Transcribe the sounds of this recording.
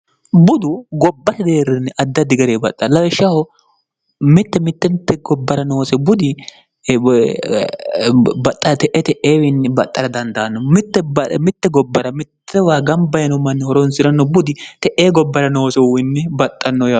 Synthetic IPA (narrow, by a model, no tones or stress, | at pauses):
bʊd̪ʊɡɔbːɐt̪ɐd̪eːɾɛnːɛʔɐd̪ːɐd̪ɪɡɐɾeːbɐt̪ʼːɐlɐwɛʃɐhɔ | mɪt̪ːɛmɪt̪ːɛnt̪ːɛɡɔbːɐɾɐnoːsɛbʊd̪ɪ | bɐt̪ʼːɐɾɐt̪ɛʔɛt̪ɛʔeːwɪnːɛbɐt̪ʼːɐɾɐd̪ɐnd̪ɐɐnːɔmɪt̪ːɛbɐmɪt̪ːɛɡɔbːɐɾɐmɪt̪ʰːɛwaːɡɐmbɐjɛnɔmɐnːɛhɔɾɔnsɪɾɐnːɔbʊd̪ɪt̪ɛʔeːɡɔbːɐɾɐnoːsɛwɪnːɛbɐt̪ʼːɐnːɔja